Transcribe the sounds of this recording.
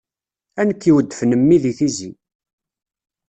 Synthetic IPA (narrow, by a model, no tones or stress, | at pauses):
ænəkːiwəd̪ːəfnəmːiðiθizi